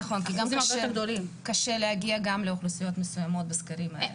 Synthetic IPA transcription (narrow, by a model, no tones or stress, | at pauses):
χo̞nkiɡamaʃɡd̪olimkaʃe̞lehaɡiaɡamleoχlusijo̞t̪mesujamo̞t̪̚beskaɾimhae